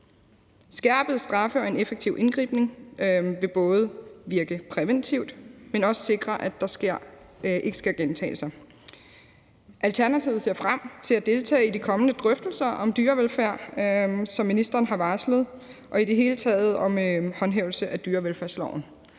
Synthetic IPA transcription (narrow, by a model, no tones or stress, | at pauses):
sɡ̥æɐ̰b̥əð̞̩ˠsd̥ʁɑ̈fəɒ̽e̝nefeɡ̥̚t͡sʰiʊʔe̝nɡ̥ʁḭːb̥ne̝ŋʋe̝b̥ɔ̽ːð̞̩ˠʋiɐɡ̥əpʰʁɛʋent͡sʰiʊd̥menɒ̽sə̥se̝ɡ̥ʁɐʔæ̥ɑ̈sɡ̥eɐ̰ | ʔe̝ɡ̥ə̥sɡ̥æɡ̥ent͡sʰɛ̰ːsɑ̈ɪ | ʔælt͡sʰæɐnæt͡sʰiʊð̩ˠse̝ɐfʁam̰t͡sʰe̝læd̥e̝lt͡sʰɛ̰ːid̥ikʰɒ̽mənəd̥ʁœfd̥l̩sɐʔɒ̽md̥yːɐʋelfæɐ̰sɒ̽mːinisd̥ɐːnɦɑ̈ʋɑsləð̞̩ˠʔɒ̽id̥e̝ɦe̝ːlət͡sʰɛ̰ːð̞̩ˠɒ̽mhɒ̽nɦeːʊl̩səʔæd̥yːɐʋelfæɐ̰slɒʊn̩